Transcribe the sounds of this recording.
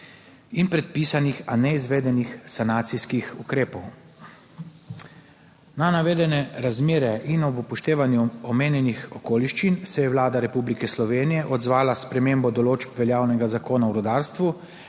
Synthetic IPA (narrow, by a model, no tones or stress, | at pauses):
inpɾɛt̪̚piːsanixanɛizʋeːd̪ɛnixsanaːt̪siskixukɾeːpɔw | nanaʋeːd̪ɛnɛɾazmeːɾɛʔinɔbɔpɔʃt̪eːʋanjuɔmeːnjɛnixɔkoːliʃt͡ʃinsɛjɛʋlaːd̪aɾɛpublikɛslɔʋeːnijɛʔɔd̪zʋaːlaspɾɛmembɔd̪ɔloːt͡ʃpʋɛljaːwnɛɡazakoːnawɾɔd̪aːɾst̪ʋu